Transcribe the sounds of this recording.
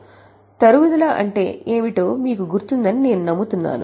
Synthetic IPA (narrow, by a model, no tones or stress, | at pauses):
t̪ɐɾuʋud̪ɐlaːʔɐɳʈe̞ːeːmiʈoːmiːkuɡuɾt̪und̪ɐnine̞ːnunɐmːut̪unːa̰ːnṵ